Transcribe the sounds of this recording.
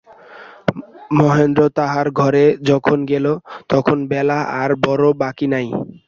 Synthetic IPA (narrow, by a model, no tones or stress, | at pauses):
mɔɦend̪ɾot̪aɦaɾɡʱɔɾed͡ʑɔkʰonɡelot̪ɔkʰonbɛlaʔaɾbɔɾobakinaj